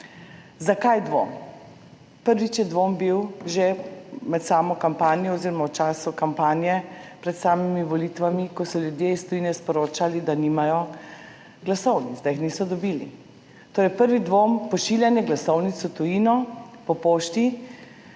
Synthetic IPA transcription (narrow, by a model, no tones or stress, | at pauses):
zakajd̪ʋo̰m | pəɾʋit͡ʃjɛd̪ʋombiwʒemɛt̪saːmɔkampaːnijɔɔziɾɔmawt͡ʃaːsukampaːnjɛpɾɛt̪saːmimiʋɔlit̪ʋamikɔsɔljud̪jeist̪ɔjiːnɛspɔɾoːt͡ʃalid̪animajɔ | ɡlasɔwnit̪zd̪ajixniːsɔd̪ɔbilḭ | t̪oːɾɛjpəɾʋid̪ʋompɔʃiljanjɛɡlasɔwnit̪sɔt̪ujinɔpɔpoːʃt̪i